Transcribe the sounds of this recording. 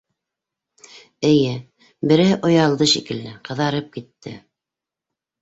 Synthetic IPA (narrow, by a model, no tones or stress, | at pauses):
ɘ̆jɘ | bɘ̆ɾʔŏjɑlˠd̪ɤʃikɘ̆lːɘqɤ̆ðɑɾɤp̚kit̪ːɘ̰